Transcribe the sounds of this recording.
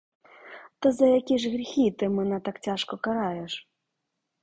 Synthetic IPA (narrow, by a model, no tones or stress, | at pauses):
t̪ɐzɐjakʲiʂɣɾʲixʲit̪ɨmɨnɐt̪akt͡sʲaʂkɔkaɾajɛʂ